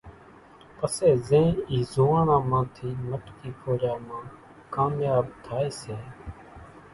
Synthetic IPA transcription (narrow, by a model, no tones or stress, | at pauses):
pəseːzẽːiːzuːãːnãːmãːt̪ʰiːməʈkiːpʰoːɾjaːmãː | kaːmjaːbt̪ʰaːeːseː